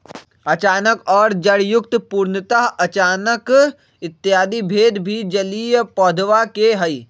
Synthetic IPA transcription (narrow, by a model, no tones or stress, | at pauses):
ɐt͡ʃaːnəkɔːɾd͡ʒəɽjʊk̚t̪puːɾnət̪aɦɐt͡ʃaːnək | ɪt̪ːjaːd̪ibʱeːd̪bʱid͡ʒəlijpɔːd̪ʱʋakeɦəi